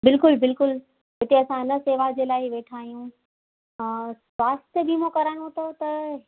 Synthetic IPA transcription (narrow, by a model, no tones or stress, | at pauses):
bɪlkʊlbɪlkʊl | ɦɪt̪ʰeɐsãnɐseːʋad͡ʑeːlaːɪʋeːʈʰaːɦijũ | sʋaːst̪əbimõkɐɾaːñõt̪ʰot̪ɐ